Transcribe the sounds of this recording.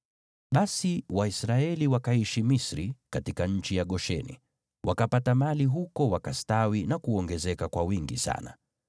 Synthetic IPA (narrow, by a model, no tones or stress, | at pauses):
ɓasiwaisɾaɛliwakaiʃimisɾikatikaɲ̩t͡ʃijaɠɔʃɛ̰nḭ | wʔakapatamaliɦukɔwakastawinakuɔŋɡɛzɛkakwawiŋɡisa̰na̰